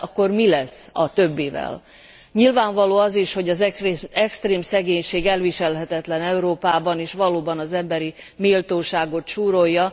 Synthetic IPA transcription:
ɒkːo̞rmilɛsːɒt̪ø̞bːeːvɛ̰l | ɲilvaːɱvɒloːɒziʃho̞ɟɒzɛkst̪reːmsɛɡeːɲʃeːɡɛlviʃɛlɦɛt̪ɛt̪lɛnɛuɾoːpaːbɒneːʃʋɒloːbɒnɒzɛmbɛɾi | miːlt̪oːʃaːɡo̞t̪ʃuːɾo̞jːɒ

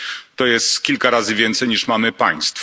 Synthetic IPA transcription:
t̪ɔjɛst̪kʲilkaɾazɘvʲjɛnt̪sɛjɲiʂmamɘpaj̃st̪f

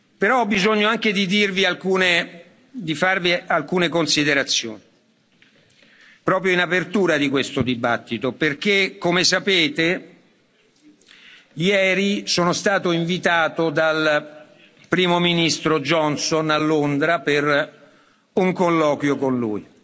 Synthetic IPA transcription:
peɾɔɔbizoɲːoaŋk̟ed̪id̪irvialkuːne | d̪ifarvialkuːnekonsid̪eɾat̪sːjo̰ːni | pɾɔːp̬ɾjoinapert̪uːɾad̪ikwest̪od̪iba̰t̪ːit̪operk̟ekːomesapeːt̪e | jɛːɾisoːnost̪aːt̪oiɱvit̪aːt̪od̪al | pɾiːmominist̪ɾod͡ʒɔnsonalːond̪ɾaper | uŋkolːɔːkwjokonlṵi

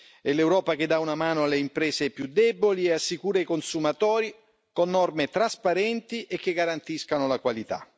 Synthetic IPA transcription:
ɛlewɾɔːpak̟ed̪ːaunamaːnoalːeimpɾɛːzepjud̪ːɛbolieasːikuːɾaikonsumat̪ɔːɾi | konːɔrmet̪ɾaspaɾɛnt̪iʔek̟ːeɡaɾant̪iskanolakwalit̪a̰

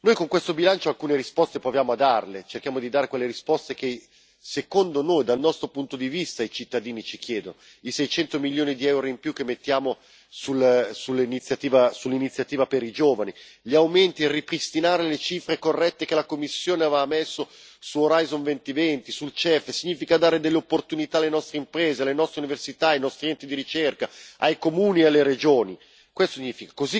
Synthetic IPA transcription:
nojkoŋkwest̪obilant͡ʃoalkuːneɾispɔst̪epɾovjaːmoad̪ːarlet͡ʃerk̟jaːmod̪id̪aːɾekwelːeɾispɔst̪eke | sekond̪onojd̪alnɔst̪ɾopunt̪od̪ivist̪ait͡ʃit̪ːad̪iːnit͡ʃik̟jɛːd̪ono | isɛjt͡ʃɛnt̪omiljoːnid̪iɛwɾoimpjukːemːet̪ːjaːmo | sulsulːinit̪sːjat̪iːvasulːinit̪sːjat̪iːvapeɾid͡ʒoːvaniʎiawment̪ierːipɾist̪inaːɾelet͡ʃifɾekorːɛt̪ːek̟elakomːisːjoːneavamːɛsːo | suoɾajzonvɛnt̪ivɛnt̪isult͡ʃɛfsiɲːiːfikad̪aːɾed̪elːeopːort̪unit̪aalːenɔst̪ɾeimpɾeːzealːenɔst̪ɾeuniversit̪aajnɔst̪ɾiɛnt̪id̪iɾit͡ʃerkaajkomuːniealːeɾed͡ʒoːni | kwest̪osiɲːiːfikḁkozi

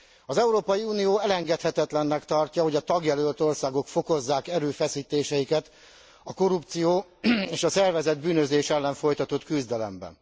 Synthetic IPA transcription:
ɒzɛuɾoːpɒjiuːnijoːɛlɛŋɡɛt̪hɛt̪ɛt̪lɛnːɛkt̪ɒrcɒɦo̞ɟɒt̪ɒɡjɛlølt̪o̞rsaːɡo̞kfo̞ko̞zːaːkɛɾøːfɛsiːt̪eːʃɛjikɛt̪ | ɒko̞ɾupt̪sijoːeːʃɒsɛrvɛzɛd̪̚byːnøzeːʃɛlːɛɱfo̞jt̪ɒt̪o̞t̪kyzd̪ɛlɛ̰mbɛ̰n

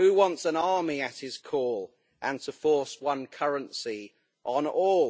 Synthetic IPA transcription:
hʉwɒ̃ntsə̃nɑːmiət̚hɪz̥kʰɔːlˠ | ʔə̃ntʰəfɔˑswʌ̃nkʰʌɹə̃nsi | ʔə̃nɔːl

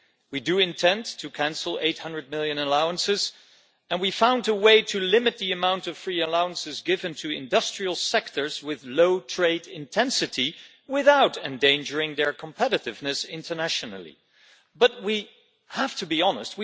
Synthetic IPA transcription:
widɨɪ̃ntʰɛ̃ntʰɨkʰæ̃nsl̩ˠḛɪt̚hʌ̃ndɹɨd̚mɪlˠjɨ̃nəlaʊə̃nsɨz | ɨ̃nwifãʊ̃ndəweɪɾɨlɪ̃mɨt̪̚ðiɨmãʊ̃ntʌv̥fɹiɨlaʊə̃nsɨzɡɪvɨ̃ntʰɨɪ̰̃ndʌstɹ̥il̩ˠsɛk̚tʰə˞zwɪðloʊtʰɹ̥eɪɾɪ̃ntʰɛ̃nsɨɾi | wɪθaʊɾɨ̃ndẽɪ̃nd͡ʒə˞ɪ̃ŋðə˞kʰə̃m̩pʰɛɾɨɾɨvnɨsɪ̃ntʰə˞næʃɨnl̩ˠḭ | bʌt̚wi | hæftʰɨbiɑnə̰st̚wi

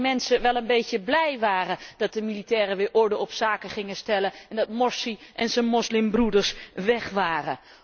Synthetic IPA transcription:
mɛnsəʋɛlˠənbejcəblɛjʋaːrəd̥ɑt̚dəmilitɛːɾəʋɪːɹʔɔɹdəɔpsaːkəχɪŋəstɛləɛndɑtmɔɹsiʔɛnzənmɔslɪmbrudəɹsʋɛχʋaːrə

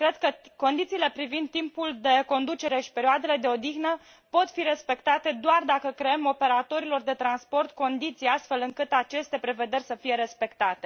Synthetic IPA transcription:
kɾe̞d̪kəko̞nd̪it̪siːle̞pɾivind̪̚t̪ːimpuld̪e̞ko̞nd̪ut͡ʃe̞ɾe̞ʃi̥pe̞ɾioad̪e̞le̞d̪e̞o̞d̪iɣnə | po̞t̪fiɾe̞spe̞kt̪at̪e̞d̪oard̪akəkɾeemo̞pe̞ɾat̪o̞ɾilo̞rd̪e̞t̪ɾanspo̞rt̪ko̞nd̪it̪sijast̪fe̞lɨŋkɨt̪at͡ʃe̞st̪e̞pɾe̞ve̞d̪erʲsəfije̞ɾe̞spe̞kt̪at̪e̞

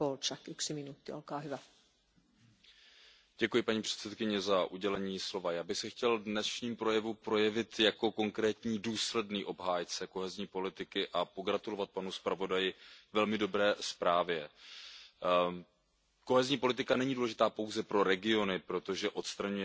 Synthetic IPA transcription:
olt͡ʃakyksiminut̪ːiolkɑːɦyvæ | ɟ̥ɛkujɪpaɲiːpr̥ɛ̥t̪sɛt̪kɪɲɛzaʔuɟɛlɛɲiːslo̞vajaːbɪxsɛxcɛldnɛsʃɲiːmpɾo̞jɛvupɾo̞jɛvɪt̪jako̞ko̞ŋkɾɛːt̪ɲiːduːslɛdniːʔo̞bɦaːjt͡sɛko̞ɦɛzɲiːpo̞lɪt̪ɪkɪʔapo̞ɡɾat̪ulo̞vat̪̚panuspɾavo̞dajɪvɛlmɪdo̞bɾɛːspɾaːvjɛ | ko̞ɦɛzɲiːpo̞lɪt̪ɪkanɛɲiːduːlɛʒɪt̪aːpo̞wzɛpɾo̞ɾɛɡɪo̞nɪpɾo̞t̪o̞ʒɛʔo̞t̪st̪ɾaɲujɛ

